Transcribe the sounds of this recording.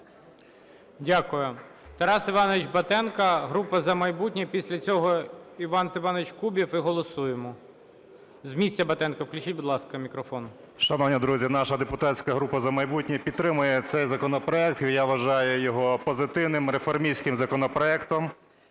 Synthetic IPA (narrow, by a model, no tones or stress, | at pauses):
dʲakʊjʊt̪ɐɾɑsɪʋɑnɔʋʲɪt͡ʃbɐt̪ɛnkɐɦɾupɐzɐmɐjbutʲnʲɛpʲisʲlʲɐt͡sʲɔɦɔiʋɑnsɪʋɑnɔɪt͡ʃkubʲifɪɦɔlˠɔsujemɔ | zmʲisʲtʲːɐbɐt̪ɛnkɐwklʲʊt͡ʃit̚ʲbʊd̪lˠɑskɐmʲikɾɔfɔn | ʃɐnɔwnʲid̪ɾuzʲinɑʃɐd̪epʊt̪asʲkɐɦɾupɐzɐmɐjbutʲnʲɛpʲid̪t̪ɾɪmʊjɛt̪sɛjzɐkɔnɔpɾɔɛk̚t̪ijaʋɐʒɑjʊjɔɦɔpɔzɪt̪ɪwnɪmɾefɔrmʲijsʲkɪmzɐkɔnɔpɾɔɛkt̪ɔm